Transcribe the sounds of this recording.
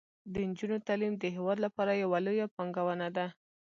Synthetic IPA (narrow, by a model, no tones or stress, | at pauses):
d̪ənd͡ʒunot̪alimd̪əɦewɑd̪lapɑɾajawalojapɑŋɡawənad̪a